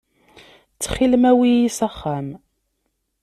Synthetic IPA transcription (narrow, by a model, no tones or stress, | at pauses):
t͡sːχilmæwijisəχːæm